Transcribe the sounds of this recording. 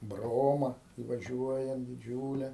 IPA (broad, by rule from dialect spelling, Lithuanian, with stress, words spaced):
ˈbroːmɐ ɪʋɐˈʒʲuɔjɛnt dʲɪˈd͡ʒʲuːlʲɛ